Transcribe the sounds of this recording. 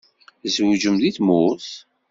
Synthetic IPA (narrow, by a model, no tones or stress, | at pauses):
zwd͡ʒəmðiθmʊθ